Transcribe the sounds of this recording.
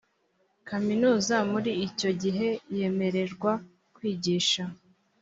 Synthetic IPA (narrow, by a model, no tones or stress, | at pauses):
kaminuːzamuɾiːco̞ɟiɦe̞je̞me̞ɾe̞ɾɡwa | kwiːɟiːʃa